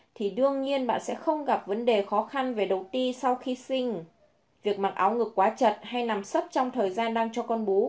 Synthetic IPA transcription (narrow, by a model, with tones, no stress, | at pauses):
t̪ʰi˨˩ɗɨ˧əŋɲi˧ənɓa̰ː˧˨nsɛ̰˧˥xə˧wŋ͡mɣa˨˩p̚və˨˦nɗe˨˩xɔ˨˦xa˧nve˨˩ɗə˨˩wt̪i˧sa˧wxi˧sï˧ŋ̟ | vi˨˩ək̚maː˨˩ʔaː˨˦wŋɨ˨˩kːwaː˨˦t͡ɕə˨˩t̚ha˧jla˨˩msə˦˥p̚t͡ɕɔ˧wŋ͡mt̪ʰəː˨˩jzaː˧nɗaː˧ŋt͡ɕɔ˧kɔ˧nɓo˨˦